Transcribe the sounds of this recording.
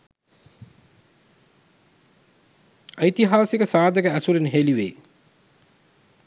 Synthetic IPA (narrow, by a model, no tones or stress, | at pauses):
əjt̪iɦaːsikəsaːd̪əkəæsuɾinɦeliʋḛː